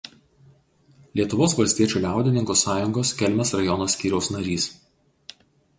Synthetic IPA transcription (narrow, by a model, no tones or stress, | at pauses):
lʲiɛt̪ʊʋoːsʋɐlʲsʲt̪ʲiɛt͡ʃʲuːˑlʲæˑʊd̪ʲɪnʲɪŋkosɑːjʊŋɡoːskʲɛlʲmʲɛsɾɐjɔnoːsʲkʲiːɾʲɛʊsnɐɾʲiːs